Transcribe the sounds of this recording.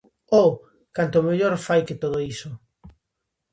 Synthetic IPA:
o | kant̪omeʎoɾfajket̪oð̞oiso

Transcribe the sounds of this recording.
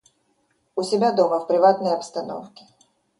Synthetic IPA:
ʊsʲɪbʲad̪o̞məfpɾʲɪvat̪nəjɐpst̪ɐno̰fkʲɪ̥

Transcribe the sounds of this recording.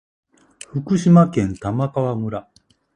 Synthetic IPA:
ɸɯkɯ̟ɕimakẽ̞nt̪amakaβamɯ̟ɾa

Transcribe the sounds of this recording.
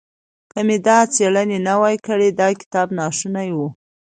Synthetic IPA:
kəmed̪ɑt͡seɭənenawajkəɽed̪ɑkɪ̥t̪ɑbnɑʃunajwu

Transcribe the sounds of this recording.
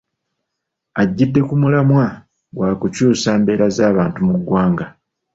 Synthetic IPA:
aɟːidːe̞kumulamwa | ɡwaːkucuːsaːmbe̞ːɾazaːβaːntumuɡwaːŋɡa

